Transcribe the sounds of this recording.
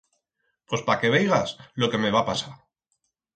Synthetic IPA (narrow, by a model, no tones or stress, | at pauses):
pwo̞spake̞β̞ejɣaslo̞ke̞me̞βapasaɾ